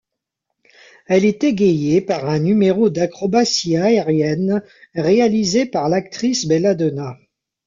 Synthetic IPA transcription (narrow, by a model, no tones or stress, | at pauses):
ɛlet̪eɡejepaʁɛ̃nymeʁod̪akχɔbasiaeʁjɛn | ʁealizepaʁlak̚t̪χisbelad̪ona